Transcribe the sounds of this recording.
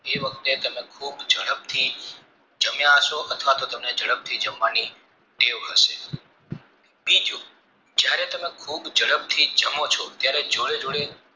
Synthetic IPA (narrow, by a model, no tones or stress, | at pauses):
eʋəkt̪et̪əmẽkʰuːbd͡ʒəɽəb̚t̪ʰi | d͡ʒəmjãəʃoʔət̪ʰʋat̪ot̪əmned͡ʒəɽəb̚t̪ʰid͡ʒəmʋani | ɖ̪eʋɦəʃe | bid͡ʒu | d͡ʒjaɾet̪əmẽkʰubd͡ʒəɽəb̚t̪ʰid͡ʒəmot͡ʃʰot̪jaɾed͡ʒoɽed͡ʒoɽe